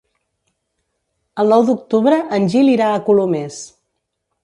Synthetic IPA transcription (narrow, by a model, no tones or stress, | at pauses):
əlˠnɔwd̪uk̚t̪uβɾəʔənʲʒiliɾaəkulomes